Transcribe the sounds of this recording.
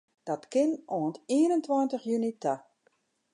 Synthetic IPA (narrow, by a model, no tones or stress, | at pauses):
d̥ɔtkɪnoəntiənəntwɔːntəxjynita